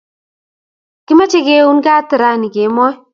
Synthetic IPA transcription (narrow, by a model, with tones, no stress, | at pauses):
kɪ˦ma˦t͡ʃe˦ɡe˦u˦nɡa˦tɪ˨ɾa˦˨ni˨ɡe˨˦mɔ˦j